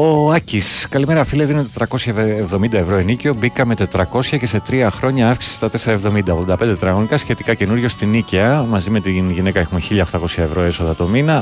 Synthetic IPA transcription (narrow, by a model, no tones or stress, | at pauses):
o̞ɐciskɐlimeɾɐfileðinot̪et̪ɾɐko̞sçɐevðo̞mind̪ɐevɾo̞enico̞bikɐme̞t̪e̞t̪ɾɐko̞sçɐce̞se̞t̪ɾiɐxɾo̞ɲɐɐfksisi̥st̪ɐt̪e̞se̞ɾɐe̞vðo̞mind̪ɐoɣðod̪ɐped̪et̪ɾɐɣonikɐsçe̞t̪ikɐce̞nuɾʝo̞st̪iniceɐmɐzime̞t̪inʝine̞kɐexume̞çiʎɐoxt̪ɐko̞sçɐe̞vɾo̞e̞so̞ðɐt̪o̞minɐ